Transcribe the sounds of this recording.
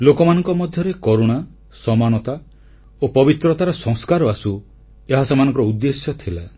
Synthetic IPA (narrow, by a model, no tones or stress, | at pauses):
lokɔmanɔŋkɔmɔd̪ʱjɔɾekoɾoɽ̃a | sɔmañɔt̪a | opɔbit̪ɾɔt̪aɾɔsɔŋskaɾɔasu | eɦasemanɔ̃ŋkɔɾɔud̪ːesjɔt̪ʰila